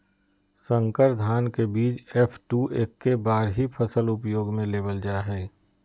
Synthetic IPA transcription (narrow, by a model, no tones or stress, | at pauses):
sə̃ŋkəɾd̪ʱaːnkebiːt͡ʃepʰʈuːʔeːkːebaːɾɦipʰəsəlʊpjoːɡmẽleːbəld͡ʒaːɦɛː